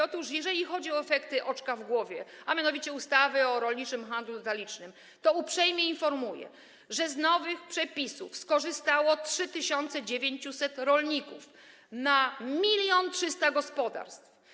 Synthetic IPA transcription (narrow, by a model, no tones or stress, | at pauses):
ɔt̪uʂjɛʐɛlʲixɔd͡ʑiɔɛfɛkt̪ɘʔɔt͡ʂkavɡwɔvʲjɛamʲjanɔvʲit͡ɕɛust̪avɘɔɾɔlɲit͡ʂɘmxand̪luɔt̪alʲit͡ʂnɘm | t̪ɔupʂɛjmʲjɛinfɔɾmujɛ̰ | ʐɛznɔvɘxpʂɛpʲisufskɔʐɘst̪awɔtʂɘt̪ɘɕɔnt̪sɛd͡ʑevʲjeɲt͡ɕusɛt̪ɾɔlɲikuf | namʲilʲjɔntʂɘst̪aɡɔspɔd̪a̰ɾst̪f